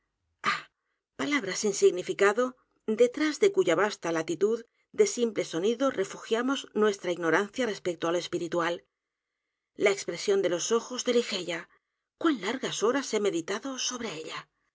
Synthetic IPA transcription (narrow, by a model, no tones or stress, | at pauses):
a | palaβɾasinsiɣnifikaðo̞ | d̪e̞t̪ɾazðe̞kuʝaβast̪alat̪it̪uð | d̪e̞simple̞so̞niðo̞re̞fuxjamo̞znwe̞st̪ɾaiɣno̞ɾanθjare̞spek̚t̪oaloe̞spiɾit̪wal | laekspɾe̞sjo̞nd̪e̞lo̞so̞xo̞zðe̞lixe̞ʎa | kwanlaɾɣaso̞ɾaseme̞ðit̪aðo̞so̞β̞ɾe̞eʎa